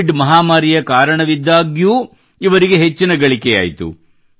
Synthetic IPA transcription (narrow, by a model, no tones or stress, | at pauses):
ɖmɐɦaːmaːɾijɐkaːɾɐɳɐʋid̪ːaːɡjuː | iʋɐɾiɡeɦet͡ʃːinɐɡɐɭikeja̰ːjit̪ṵ